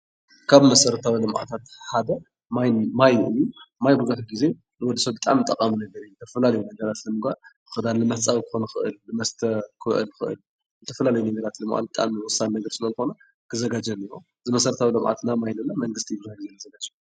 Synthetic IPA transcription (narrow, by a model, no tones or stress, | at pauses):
kʰaβmɐsɐɾɐt̪ʰawilɨmʕa̰t̪ʰat̪ħad̪ɐ | mamajʔɨjumajbuzuħɡize | nɨwɔd̪sɐbɨt̪ʼa̰mnɨt̪ʼɐkʼːaminɐɡɐɾijzɨt̪ʰɐfɐlalɐjunɐɡɐɾat̪lɨmɨɡal | xɨd̪anlɨmɐt͡sʼawkɨ̥xonxɨʔɨ̰lːɨmɐst̪ʰɐkʰɨʔɨ̰lxɨʔɨ̰l | zɨt̪ʰɐfɐlalɐjunɐɡɐɾat̪lɨmʔa̰lbɨt̪ʼa̰mɨwʊsannɐɡɐɾsɨlɐzɨxonɐ | kʰɨzɐɡad͡ʒɐniɾo | zɨmɐsɐɾɐt̪ʰawilɨmʕa̰t̪namajnɨnːamɐŋɡɨst̪ʰibɨzahɡizenzɐɡat͡ʃʼu̥